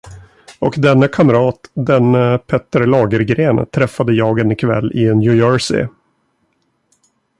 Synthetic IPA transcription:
ɔkd̪ɛnːakʰamɾɑːt̪d̪ɛnːəpʰɛt̪əɾlɑːɡəɾɡɾeːnt̪ʰɾɛfːad̪əjɑːɡənɪkʰvɛ̰lːʔɪnjʉjɔːɹsɪ̰

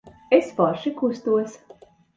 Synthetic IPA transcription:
esfɔɾʃikust̪uɔs

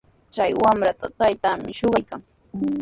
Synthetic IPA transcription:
t͡ʃajwamɾat̪at̪ajt̪amɪʃoɢɑjkaŋ

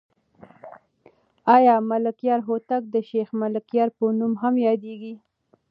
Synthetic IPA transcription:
ɑjɑmalɪkjɑɾɦot̪ak̚d̪əʃexmalɪkjɑɾpənumɦamjɑd̪eɡi

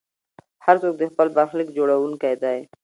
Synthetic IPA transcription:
haɾt͡sok̚d̪əxpəlbaɾxlikd͡ʒoɽawuŋkajd̪aj

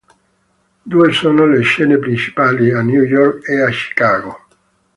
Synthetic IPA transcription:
d̪uesonoleʃenepɾint͡ʃi̥palianjujɔɾkeat͡ʃi̥kaɣo

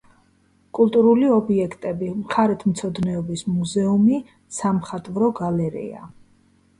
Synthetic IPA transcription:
kʼulˠt̪ʼuɾuliɔbiɛkʰt̪ʼɛbimχaɾɛt̪ʰm̩t̪sʰɔd̪nɛɔbismuzɛumi | samχat̪ʼvɾɔɡalɛɾḭa̰

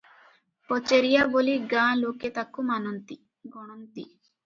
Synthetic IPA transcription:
pɔt͡ʃeɾijaboliɡãloket̪akːumanɔnt̪i | ɡɔɽ̃ɔnt̪i

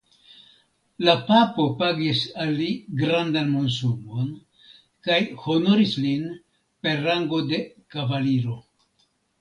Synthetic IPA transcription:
lapapo̞paɡisalːiɡɾandanmons̬umo̞n | kajho̞no̞ɾislin | pe̞ɾːaŋɡo̞de̞kavaliɾo̞

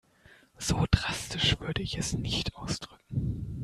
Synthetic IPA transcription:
z̥oːdʁastɪʃv̥ʏɐdəɪçɛsnɪçtʔaʊsd̥ʁʏkŋ̩

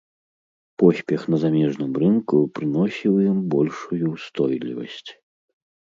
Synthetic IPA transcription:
pɔsʲpʲɛxnɐzamʲɛʐnɨmrɨnkupɾɨn̪ɔsʲiwjimbɔlʲʂujust̪ɔjlʲḭvɐ̰sʲt͡sʲ

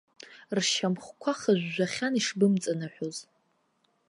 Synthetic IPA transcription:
rʃamχʷkʷʰaχəʒᶣʷːaχʲaniʂbɨmt͡sʼanɨħʷᶣoz

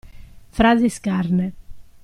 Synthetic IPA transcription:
fɾaːziskaɾnɛ

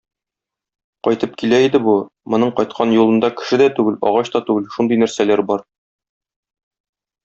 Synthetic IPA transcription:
qɒjt̪ɤp̚kilæid̪ɘbumŏnɤɴqɒjt̪̚qʰɑnjulˠɤ̆nd̪ɑkɘ̥̆ʃɘd̪æt̪ʉɡɘlɒ̰ʁɑɕt̪ɒt̪ʉɡɘlʃund̪ɤjnæɾsælæɾbɒɾ

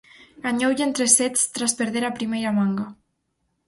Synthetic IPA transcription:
ɡaɲowʎent̪ɾeset͡st̪ɾaspeɾðeɾapɾimejɾamaŋɡa

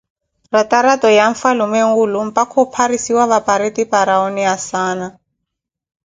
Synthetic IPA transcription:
rataɾatɔjaɱfalumeŋ̩ulum̩pakʰɔpʰaɾisiwaβapaɾetipaɾaɔniasaːna

